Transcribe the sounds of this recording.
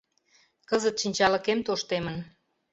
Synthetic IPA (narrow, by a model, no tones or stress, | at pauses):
kəzət̪ʃinʲt͡ɕɑlə̆kemt̪oʃt̪emən